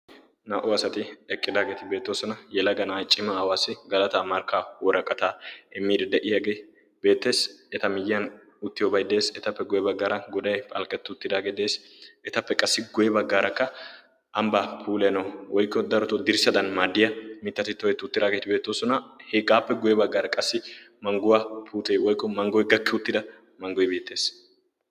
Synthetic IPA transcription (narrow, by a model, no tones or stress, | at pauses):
naːʔɔɐsɐt̪ɪɛkʼːɪd̪aːɡe̞ːt̪ɪbe̞ːt̪ːoːsɔnɐjɛlɐɡɐnaːt͡ʃʼːɪmɐːwaːsːɪɡɐlɐt̪aːmɐɾkaːwɔɾɐkʼːɐt̪aːɛmːiːd̪ɛd̪ɛʔɪjɐɡe | beːt̪ːe̞ːsɛt̪ɐmɪjɐn | ʊt̪ːɪjɔbɐjd̪e̞ːsɛt̪ɐpːɛɡʊjɛbɐɡːaːɾɐɡɔd̪ɐjpʼɐ̰lkʼɛt̪ːʊʊt̪ːɪd̪aːɡed̪e̞ːs | ʔɛt̪ɐpːɛkʼɐsːɪɡʊjɛbɐɡːaːɾɐkːɐ | ʔɐmbaːpʰuːlɛnɐwwɔjkːɔd̪ɐɾɔt̪ɔd̪ɪɾsɐd̪ɐnmaːd̪ɪjɐmɪt̪ːɐt̪ɪt̪ːɔɛt̪ːʊt̪ːɪd̪aːɡeːt̪ɪbe̞ːt̪ːoːsɔnɐhɛɡaːpːɛɡʊjɛbɐɡːaːɾɐkʼɐsːɪmɐŋɡʊwaːpʰuːt̪ʼeːwɔjkːɔmɐŋɡɔjɡɐkːɛʊt̪ːɪd̪ɐ | mɐŋɡɔjbe̞ːt̪ːe̞ːs